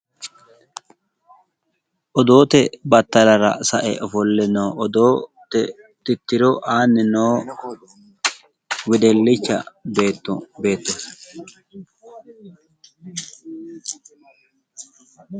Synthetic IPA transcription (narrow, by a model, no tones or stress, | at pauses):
ʔɔd̪o̞ːt̪ɛbɐt̪ːɐlɐɾɐ̰sɐʔɛ̰ʔɔfɔlːɛnoːʔɔd̪oːt̪ɛ | t̪ɪt̪ːɪɾɔʔaːnːɪnoː | wɪd̪ɛlːɪt͡ʃːɐ̰be̞ːt̪ːɔbe̞ːt̪ːɔs